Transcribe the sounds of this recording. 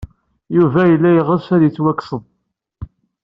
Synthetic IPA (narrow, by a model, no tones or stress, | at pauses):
juvæjəlːæjʁəsæðjit͡sːwækːsən